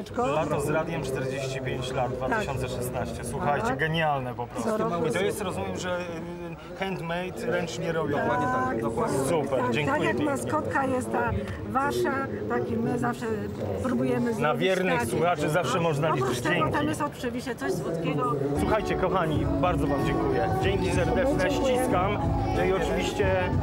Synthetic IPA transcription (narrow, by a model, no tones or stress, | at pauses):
lat̪ɔzɾad̪ʲjɛmt͡ʂt̪ɛɾd͡ʑeɕt͡ɕipʲjeɲt͡ɕlad̪̚d̪vat̪ɨɕɔnt̪sɛʂɛsnaɕt͡ɕɛswuxajt͡ɕɛɡɛɲalnɛpɔpɾɔsit̪ɔjɛst̪ɾɔzumʲjɛmʐɛ | xɛnt̪mɛjt̪ɾɛnt͡ʂɲɛɾɔbʲjɔ̃w̪̃ɔɔasupɛɾd͡ʑɛ̃ŋkt̪akujjakmaskɔt̪kajɛst̪̚t̪a | vaʂa | t̪akimɘzafʂɛ | pɾubujɛmɘnavʲjɛɾnɪxswuxat͡ʂɨzafʂɛmɔʐnalid͡ʑ̪ɛɔkt̪aimjɛst̪ɔt̪̚pʂɨvʲiɕɛt̪sɔzwɔt̪kʲɛɡɔswuxajt͡ɕɛkɔxaɲibaɾd̪ɔvamd͡ʑɛŋkujɛd͡ʑeŋkʲisɛɾd̪ɛnɛɕt͡ɕiskamnɔiɔt͡ʂɨvʲiɕt͡ɕɛ